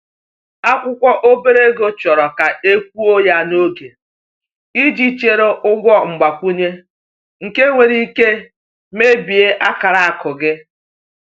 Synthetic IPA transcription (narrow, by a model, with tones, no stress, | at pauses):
a˦kʷʊ˦kʷɔ˦ʔo˦be˦ɾe˦ɡo˦t͡ʃɔ˨ɾɔ˨ka˨e˦kʷu˦o˦ja˦no˦ɡe˨ | i˦d͡ʒi˦t͡ʃe˨ɾo˦ʔʊ˦ɡʷɔ˦ŋ͡m̩˨ɡ͡ba˨kʷu˦ɲe˦ | ŋ̩˨ke˦ŋʷe˨ɾi˦ke˦ | me˦bi˨e˦ʔa˦ka˨ɾa˨a˨kʊ˨ɡɪ˦